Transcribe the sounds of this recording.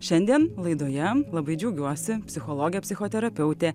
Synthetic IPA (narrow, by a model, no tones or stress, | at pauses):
ʃʲɛnʲd̪ʲiɛnlˠɐɪd̪oːjɛlˠɐbɐɪd͡ʒʲɛʊɡʲuɔsʲɪpʲsʲɪxolˠoːɡʲɪjɛpʲsʲɪxoːt̪ʲɛɾɐpʲɛʊt̪ʲeː